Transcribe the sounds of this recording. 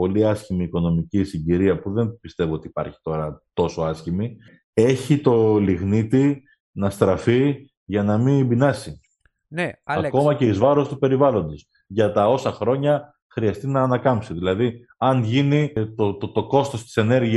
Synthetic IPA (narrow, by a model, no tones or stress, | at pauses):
po̞liɐscimiːko̞no̞micisiɲɟiɾiɐpuðe̞npist̪e̞voo̞t̪ipɐ̰ɾçi̥t̪o̞ɾɐt̪o̞so̞ɐscimi | e̞çit̪o̞liɣnit̪i | nɐst̪ɾɐfi | ʝɐnɐmibinɐsi | ɐko̞mɐce̞izvɐɾo̞st̪upe̞ɾivɐlo̞nd̪is | ʝɐt̪ɐo̞sɐxɾo̞ɲɐ | xɾiɐst̪inɐːnɐkɐmpsiðilɐði | ɐnʝinit̪ot̪ot̪oko̞st̪o̞st̪i̥se̞ne̞ɾʝi